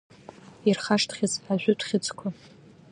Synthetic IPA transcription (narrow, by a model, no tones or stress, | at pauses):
irχaʂtʰχʲɪt͡sʰʼaʒʷᶣʊtʰʷʼχʲɪt͡sʼkʷʰa